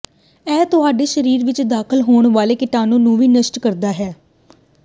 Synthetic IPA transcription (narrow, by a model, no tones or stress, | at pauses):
ɛːt̪ʊɦaːɖeːʃəɾiːɾʋɪt͡ʃd̪aːkʰəlɦoːɳʋaːleːkɪʈaːnõːnũːʋiːnəʃʈkəɾd̪aːɦɛː